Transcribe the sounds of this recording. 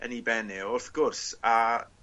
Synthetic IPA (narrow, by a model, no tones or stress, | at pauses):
ə̰nibɛnɪʊrθɡ̥ʊrsa